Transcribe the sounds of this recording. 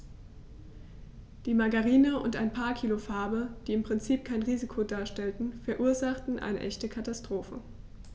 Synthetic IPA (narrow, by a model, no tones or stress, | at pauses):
d̥iːmaɡaʁiːnəʔʊnta̰ɪnpʰaːɐkʰiːlofaɐbəd̥iːɪmpʁ̥ɪnt͡siːp̚kʰaɪnʁiːzikʰodaːɐʃtɛltn̩fɛɐʔuːɐzaχtn̩ʔa̰ɪnə̰ʔɛçtəkʰatastʁ̥oːfə